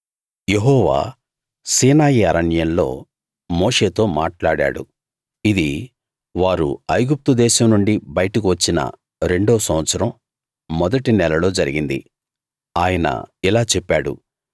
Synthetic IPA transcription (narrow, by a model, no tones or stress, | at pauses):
jeɦɔːʋa̰ː | siːnaːjiɐɾɐnjɐnlo̞̰ː | moːʂe̞ːt̪o̞ːmaːʈlaːɽa̰ːɽṵ | id̪i | ʋaːɾṵɐjɡup̚t̪ud̪ɛːʃɐmnuɳɖibɐjɐʈɐk̬iʋɐt͡ʃːinɐ̰ | ɾe̞ɳɖoːsɐm̃ʋɐt̪sɐɾɐmː | ɔd̪ɐʈinɛlɐlo̞ːd͡ʒɐɾiɡind̪ḭ | aːjɐnɐ̰ilaːt͡ʃɛpːaːɽṵ